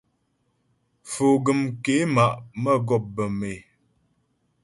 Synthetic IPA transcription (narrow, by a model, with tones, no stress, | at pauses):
fo˨ɡə˨mke˨˦ma˨ʔmə˦ɡɔ˦˨p̚bə˨me˨